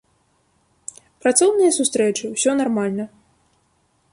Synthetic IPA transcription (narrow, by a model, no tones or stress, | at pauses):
pɾat̪sɔwnɨjɐsust̪ɾɛt͡ʂɨwsʲɔnarmalʲnɐ